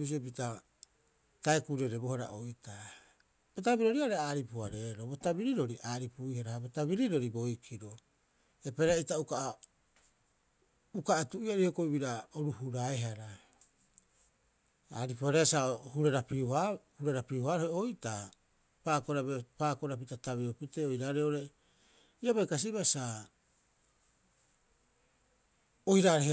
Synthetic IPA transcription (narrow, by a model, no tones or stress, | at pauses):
bis̬iopita | taekuɾeɾebohaɾa̰ʔojta | b̥otabiɾoɾiaɾeaːɾipuaɾe̞ːɾobotabiɾiɾo̞ɾiʔaːɾipuihaɾahabotabiɾiɾo̞ɾibo̞jkʰiɾo | e̞peɾaitauka | ukaʔetuʔiaɾehokoibiɾaoɾuhuɾaeɦaɾa | a̰ɾipoɾeasahuɾeɾapiuhahuɾeɾapiuhaɾoeojta | pakoɾabepakoɾap̬itataβiɾopiteojɾaːɾeoɾe | iaβajkas̬iβasa | ojɾaɾeh